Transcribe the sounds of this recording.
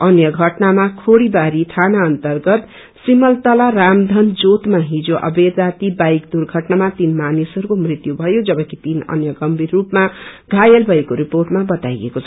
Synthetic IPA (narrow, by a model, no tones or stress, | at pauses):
ʌnjʌɡʱʌʈnamakʰoɽibaɾit̪ʰanaʌnt̪ʌrɡʌt̪ | simʌlt̪ʌlaɾamd̪ʱʌnd͡zot̪maɦid͡zoʔʌ̰bed̪d͡zat̪ibajkd̪urɡʱʌʈnamat̪inmanisʌɾukomrit̪jubʱʌjod͡zʌbʌkit̪inʌ̰njʌɡʌmbʱirːupmaɡʱajʌlbʱʌekoɾiporʈmabʌt̪ajḛkot͡sʰʌ